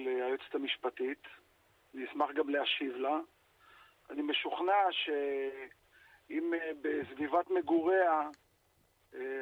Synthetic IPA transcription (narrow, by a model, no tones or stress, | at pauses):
leajot͡se̥t̪amiʃpatit | aniismaχɡamleaʃivla | a̰nime̞ʃuχnaʃe | imbesvivatme̞ɡuʁea